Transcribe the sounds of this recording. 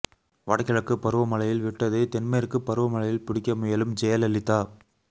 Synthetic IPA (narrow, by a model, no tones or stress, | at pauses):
ʋɐɽɐkːɐɭɐkːɯpːɐɾɯʋɐmɐlɐjɪlʋɪʈːɐðet̪ɛnmɐjɐɾɯkːɯpːɐɾɯʋɐmɐɭɐjɪlpɪɽɪkːɐmʊjɐlɯmd͡ʒɛjɐlɐlːɪt̪ːaː